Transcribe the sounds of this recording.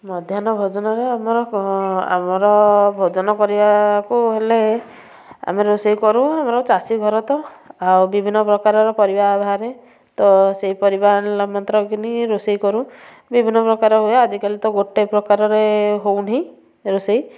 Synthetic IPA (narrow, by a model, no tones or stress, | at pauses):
mɔd̪ʱjanɔbʱod͡ʒɔnɔɾeamɔɾɔa̰mɔɾɔbʱod͡ʒɔnɔkɔɾibakuɦele | a̰meɾusejkɔɾũamɔɾɔt͡ʃasiɡʱɔɾɔt̪ɔawbibʱinːɔpɾɔkaɾɔɾɔkɔɾibaːbʱaɾe | t̪ɔseɦipɔɾibamɔnt̪ɾɔɡiniɾusejkɔɾũ | bibʱinːɔpɾɔkaɾɔɦuead͡ʒikalit̪ɔɡoʈːepɾɔkaɾɔɾeɦowne | ɾusej